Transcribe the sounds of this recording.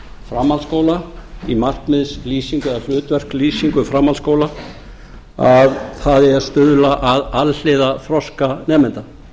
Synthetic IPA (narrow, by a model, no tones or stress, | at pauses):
fɾamːalskoːwlaimah̪t̪mɪðsliːsiŋkʏɛðaflʏːt̪vɛr̥kliːsiŋkʏfɾamalskowla | avθaðɛaðst̪ʏðlaʔaðaðhɛːðafɾɔskanɛːmɪnt̪a